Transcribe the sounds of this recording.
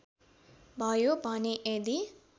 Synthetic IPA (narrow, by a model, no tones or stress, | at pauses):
bʱʌjobʱʌneʔed̪i